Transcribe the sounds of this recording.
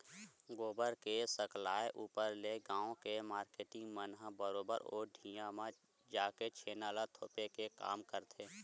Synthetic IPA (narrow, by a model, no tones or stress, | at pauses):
ɡoːbəɾkesəklaːeʔuːpəɾleɡãːõkemaːɾkeːʈɪ̃ŋɡmənɦəbəɾoːbə̰ɾɔ̰ːɖʱijãmã | d͡ʒaːket͡ʃʰeːnaːlat̪ʰoːpekeka̰ːmkəɾt̪ʰeː